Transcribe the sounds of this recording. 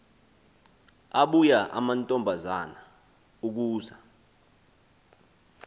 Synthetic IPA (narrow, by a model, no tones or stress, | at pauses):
aɓujaʔa̰mantʼɔmbʱazana | uk̬uːza